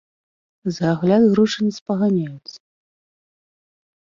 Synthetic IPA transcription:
zaɣlʲad̪ɣɾuʂɐnɐspɐɣanʲajut̪sɐ̥

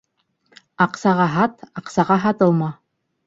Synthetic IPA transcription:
ɑqsɑʁɑɦɑt̪ɑqsɑʁɑɦɑt̪ɤ̆lˠmɑ

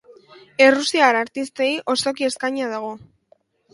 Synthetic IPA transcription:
e̞rusiaɾaɾt̪ist̪e̞iʔo̞st̪o̞k̬ie̞skaɲað̞aɣ̞o̞

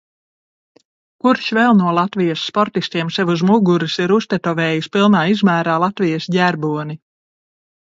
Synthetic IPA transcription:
kuɾʃvɛlˠnuɔlˠat̪vijasːpɔɾt̪ist̪iɛmsɛvuzmuɡuɾisiɾust̪ɛt̪ɔvɛːjispilˠnaːizmæːɾaːlˠat̪vijasɟæɾbuɔni

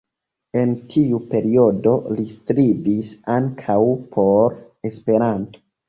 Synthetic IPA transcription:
e̞ntʰiupe̞ɾio̞do̞listɾibisaŋkʰawpʰo̞ɾ | e̞spe̞ɾanto̥

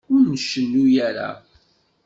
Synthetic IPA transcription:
ʊɾnəʃəlːujæɾa̰

